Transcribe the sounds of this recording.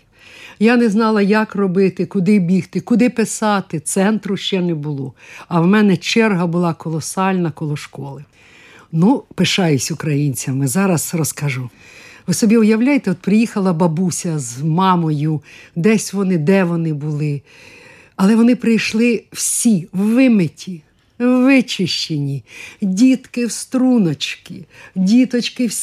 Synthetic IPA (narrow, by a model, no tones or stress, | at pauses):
janɛznɑlˠɐjɐkrɔbɪt̪ɪkʊd̪ɪbʲiht̪ɪkʊd̪ɪpɪsɑt̪ɪt̪sɛnt̪ɾʊʃt͡ʃɛnɛbʊlˠɔɐwmɛnɛt͡ʃɛrɦɐbʊlˠɑkɔlˠɔsɑlʲnɐkɔlˠɔʃkɔlˠɪ | nupɪʃɑjʊsʲʊkɾɐjinʲt͡sʲɐmːɪzɑɾɐsrɔskɐʒu | ʋɪsɔbʲiʊjɐwlʲajet̪ɛɔt̪̚pɾɪjixɐlˠɐbɐbusʲɐzmɑmɔjʊd̪ɛsʲʋɔnɪd̪ɛʋɔnɪbʊlˠɪ | ɐlˠɛʋɔnɪpɾɪjʃlˠɪw̥sʲiwːɪmɪtʲi | ʋɪt͡ʃɪʃt͡ʃenʲidʲit̪kɪwst̪ɾunɔt͡ʃkɪdʲit̪ɔt͡ʃkɪwʲ